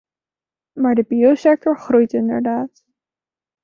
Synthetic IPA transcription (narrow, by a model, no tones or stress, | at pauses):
maːɹdəbiosɛk̚tɔɹχrujtɪndə̰ɹdaːt